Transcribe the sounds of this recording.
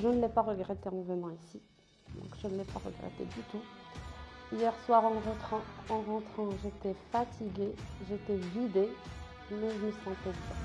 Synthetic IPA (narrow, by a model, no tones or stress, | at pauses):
ʒənəlɛpaʁəɡʁɛt̪eɑ̃vənɑ̃isi | d̪ɔ̰̃kʒ̥ənlɛpa̰ʁə̰ɡʁɛ̰t̪ḛd̪yt̪u | ijɛʁswaʁɑ̃ʁt̪χɑ̃ɑ̃ʁɑ̃t̪χɑ̃ʒet̪ɛfat̪ʰiɡʲeʒet̪ɛvid̪e | mɛʒəməsɑ̃p̪ɛdḭʁ